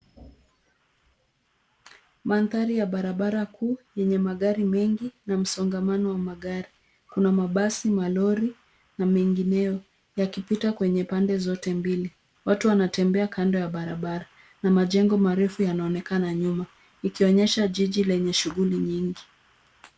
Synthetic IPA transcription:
manθaɾijaɓaɾaɓaɾakʰuːjɛɲɛmaɠaɾimɛŋɡinam̩sɔŋɡamanɔwamaɠaɾi | kunamaɓasimalɔɾi | namɛŋɡinɛjɔ | jakipitakwɛɲɛpandɛzɔtɛmbili | watuwanatɛmbɛakandɔjaɓaɾaɓaɾa | namaʄɛŋɡɔmaɾɛfujanaɔnɛkanaɲuma | ikiɔɲɛʃaʄiʄilɛɲɛʃuɣuliɲiŋɡi

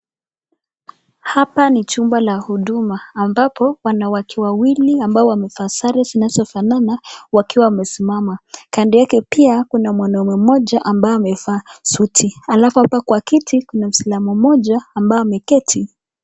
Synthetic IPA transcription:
hapanit͡ʃumbalahuɗumaːmbapʰɔwanawakʰɛwawiliambaɔwamɛfaːsaɾɛzinazɔfananawakiwawamɛsimamakandijakɛpiakunamwanɔmɛmɔʄaʔambaɔamɛfaːsutʰialafuhapakwakitʰikunam̩silamɔmɔʄaːmbaɔamɛkɛtʰi

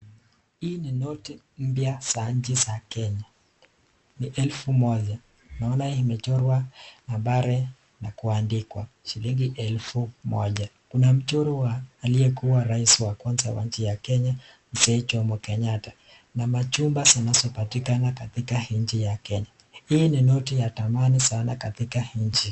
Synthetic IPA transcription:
iːninɔti | m̩pjasaɲt͡ʃisakɛɲa | niʔɛlfumɔʄa | naɔnaiimɛt͡ʃɔɾwanambaɾɛ | nakuandikwa̰ | ʃiliŋɡiʔɛlfumɔ̰ʄakunam̩t͡ʃɔɾɔwaːliɛkuwaɾaisiwakwanzawa̰ɲ̩t͡ʃijakɛɲa | n̩sɛːt͡ʃɔmɔkɛɲatḁ | namat͡ʃumbazinazɔpatikanakatikahiɲt͡ʃijakɛɲa | hiːninɔtijatamanisanakatikahiɲt͡ʃi

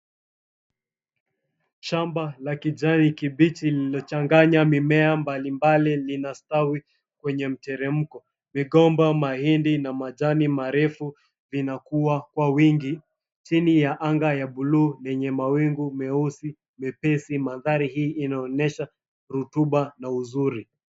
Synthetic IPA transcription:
ʃambalakid͡ʒanikiɓit͡ʃililɔt͡ʃaŋɡaɲamimɛambalimbalilinastawi | kwɛɲɛm̩tɛɾɛm̩kɔ | miɠɔmbamahindinamad͡ʒanimaɾɛfu | vinakuwakwawiŋɡi | t͡ʃinijaʔaŋɡajaɓuluːnɛɲɛmawiŋɡumɛusi | mɛpɛsimaðaɾihiːʔːnaɔnɛʃa | ɾutuɓanauzuɾi

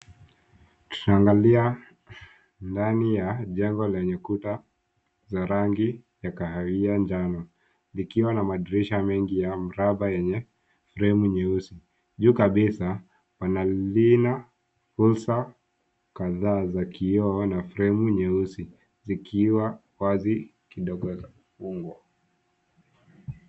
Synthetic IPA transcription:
tu̥naːŋɡalia | ndanijaʄɛŋɡɔlɛɲɛkuta | zaɾaŋɡijakahawiand͡ʒanɔ | likiwanamaɗiɾiʃamɛŋɡijam̩ɾaɓajɛɲɛ | fɾɛmuɲɛusi | ʄuːkaɓisa | wanalina | fulsa | kaðaːzakiɔːnafɾɛmuɲɛusi | zikʰiwa | wazi | kiɗɔɡɔzaufuŋɡwɔ

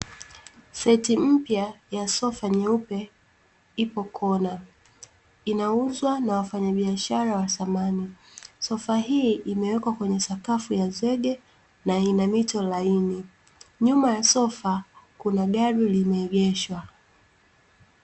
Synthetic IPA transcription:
sɛtim̩pjajasɔfaɲɛupɛ | ipɔkʰɔna | inauzwanawafaɲaɓiaʃaɾawasamanisɔfaɦiːʔimɛwɛkwakwɛɲɛsakafujazwɛɠɛ | nainamitɔlaini | ɲumajasɔfakunaɠaɾulimɛːɡɛʃwa

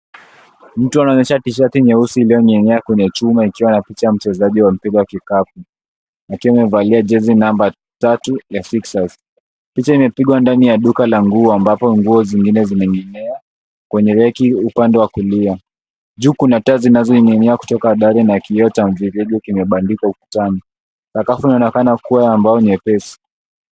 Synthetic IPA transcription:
m̩tuanaɔɲɛʃatiʃ̬atiɲɛusiːlijɔɲɛnɛakwɛɲɛt͡ʃumaikiwanapit͡ʃajam̩t͡ʃɛzaʄiwam̩piɡɔwakikap̚u | nakiwamɛvaliad͡ʒɛzinamba | tatujafiksaz | pit͡ʃaimɛpiɠwandanijaɗukalaŋɡuɔambapɔŋɡuɔziŋɡinɛzimɛɲɛnɛa | kwɛɲɛlɛkiupandɛwakulia | d͡ʒuːkunatazinazɔiŋɛniaku̥tɔkaːɗaɾɛnakiɔtaɱviɾɛɡɔkimɛɓandikauku̥tani | sakafunaɔnɛkanakuwaambaɔɲɛpɛsi̥

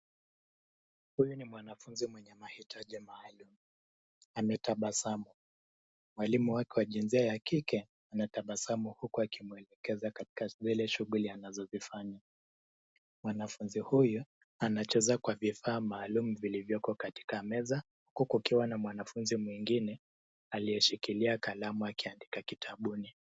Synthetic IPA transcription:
hujunimwanafunzimwɛɲɛmahitʰaʄimaːlumu | amɛtaɓasamu | mwalimuwakɛwaʄinziajakikɛ | anataɓasamuhukuakʰimuɛlɛkɛzakati̥kazilɛʃuɣulianazɔzifaɲa | mwanafunzihujɔ | anat͡ʃɛzakwavifaːmaːlumuvilivjɔkɔkati̥kamɛza | hukukiwanamwanafunzimwiŋɡinɛ | aliɛʃikiliakalamuakiandikakitʰaɓuni

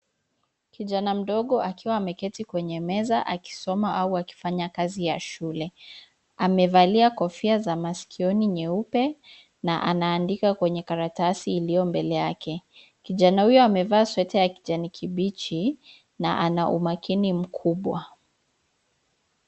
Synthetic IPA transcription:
kiʄanam̩ɗɔɠɔʔakiwaːmɛkɛtikwɛɲɛmɛzaʔaki̥sɔmaʔauaki̥faɲakazijaʃulɛ | amɛvaliakɔfiazamasi̥kʰiɔniɲɛupɛ | naʔanaːndikakwɛɲɛkaɾatasiːlijɔmbɛlɛjakɛ | kiʄanahujɔamɛvaːswɛtɛjaki̥ʄanikʰiɓit͡ʃi | naʔanaʔṵmakinim̩kʰuɓwa

